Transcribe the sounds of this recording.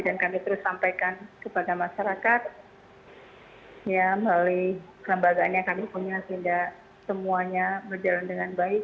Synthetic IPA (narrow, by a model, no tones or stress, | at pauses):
dankamit̪əɾʊsːampajkankəpadamaʃaɾakat̪̚ | jaməlalikələmbaɡaːnɲakamipuɲasəɦinda | səmuaɲabərd͡ʒalandəŋanbaɪk̚